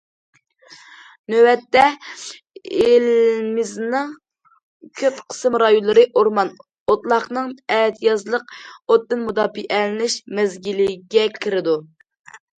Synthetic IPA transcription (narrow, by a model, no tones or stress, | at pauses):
nøwɛt̪ːɛ | elmɪznɨŋ | kʲʰøt̪qʰə̥sɨmɾɑjunlˠɨɾɨʔoɾmɑn | ot̪lˠɑχnɨŋɛːt̪ʰjɑzlˠəq̚ot̪ːɨnmud̪ɑːpiʔɛlɪnɪʃmɛzɡʲilɪɡʲɛkʲʰiɾɪd̪u